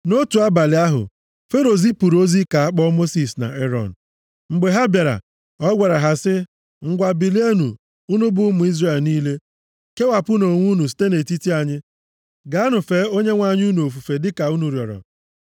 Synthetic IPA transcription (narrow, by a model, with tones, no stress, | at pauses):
no˦tu˨a˦ba˨lɪ˨a˦ɦʊ̰˨ | fe˦ɾo˨zi˦pu˨ɾo˦zi˦ka˨a˦k͡pɔ˦mo˦si˨sna̰˨ʔe˦ɾɔ̰˨n̩˨ | ŋ͡m̩˨ɡ͡be˨ɦa˦bja˨ɾa̰˨ | ɔ˦ɡʷa˨ɾa˨ɦa˨sɪ˦ | ŋ̩˦ɡʷa˨bi˨li˦e˦nu˨ | u˦nʊ˦bʊ˦mʊ˨i˦zre˦˨lniː˦le˦ | ke˦wa˨pʊ˦no˨ŋʷu˦nu˨si̥˦te˦ne˨ti˦ti˦a˨ɲɪ˦ | ɡa˨˦nʊ˨fe˨˦o˦ɲe˦ŋʷa˦ɲ˦u˦nu˨o˨fu˨fe˨dɪ˦ka˨u˦nu˨ɾjɔ̰˨ɾɔ̰˨